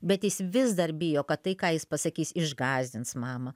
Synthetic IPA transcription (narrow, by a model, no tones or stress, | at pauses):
bʲɛt̪jɪsʋʲɪzd̪ɐrbʲɪjoːkɐt̪tɐɪkɑːjɪspɐsɐkʲiːsɪʒɡɑːzʲdʲɪntsmɑːmɐ